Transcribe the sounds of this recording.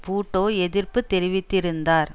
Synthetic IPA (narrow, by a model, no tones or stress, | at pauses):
puːʈːoːɛðɪɾpɯt̪ːɛɾɪʋɪt̪ːɪɾɯnd̪aːɾ